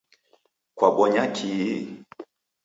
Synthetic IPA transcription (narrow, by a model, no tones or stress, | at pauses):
kwaɓɔɲakʰi